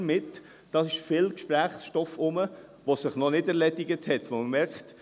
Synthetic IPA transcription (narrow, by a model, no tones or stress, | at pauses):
mɪt | d̥ɑsɪʃfɪlkʃpɾæːχsʃtɔfʊmə | ʋosɪχnɔnɪdɛɾlɛdɪɡəthɛtʋoməmɛɾkχt